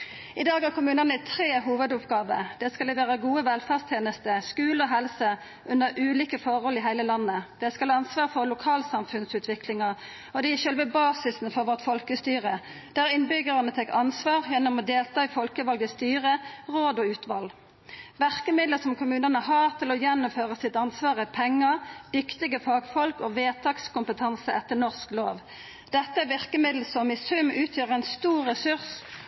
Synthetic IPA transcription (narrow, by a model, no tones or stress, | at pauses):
ɪd̪ɑːɡɑkʰʊmʉːnənəɛt̪ʰʁeːɦuːʋəd̪ʊpɡɑːʋə̰ʁd̪̥ɛskɑlɛʋeːʁəɡuːəʋɛlfæːʁst̪ʰjeːnəst̪əskʉːləɔɦɛlsə | ʔʉnəʁʔʉːliːkəfɔʁhɔlɪɦæɪləlɑnːəd̪̥ɛskɑlɑnsʋɑːʁfɔʁlʊkʰɑːlsɑmfʉnsʉːt̪ʰʋɪklɪŋɑ | ɔd̪ɛɪʃœlʋəbɑːsɪsn̩fɔʁʋɔʁt̪fɔlkəst̪yːʁə | d̪̥æːʁɪnbʏɡəʁɑnət̪ʰɛkːɑnsʋɑːʁjɛnːɔmɔd̪eːlt̪ʰɑːɪfɔlkəʋɑlɡəst̪yːʁəʁoːd̪ɔʉːt̪ʰʋɑl | ʋæʁkəmɪd̪ləsɔmkʰʊmʉːnənəɦɑːʁt̪ʰɪlɔjɛnːɔmføːʁəsɪt̪ɑnsʋɑːʁəpʰɛŋːəd̪̥ʏkt̪ɪɡəfɑːɡfɔlkɔʋeːt̪ʰɑːkskʊmpət̪ʰɑnsəʔɛt̪ːənɔʁskloːʋ | d̪̥ɛt̪ːəʋɪʁkəmɪd̪l̩sɔmɪsʉmʉːt̪ʰjøːʁæɪnst̪uːʁːɛsʉʁs